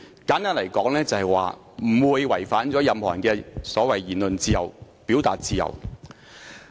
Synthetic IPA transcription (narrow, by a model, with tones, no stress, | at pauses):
kaː˨˥nk̪aː˥nlɐ˨˩jkɔː˨˥ŋlɛː˥t͡sɐ˨˧hɛ˨jwa̰ː˨ | m̩˨˩wuː˨˧jwɐ˨˩jfaː˨˥nt͡sɔː˨˥jɐ˨mhɔː˨˩nkɛː˧sɔː˨˥wɐ˨jjiː˨˩nlɵ˨nt͡siː˧jɐ˨˩w | pi˨˥wt̪aː˨t̚t͡siː˧jɐ̰˨˩w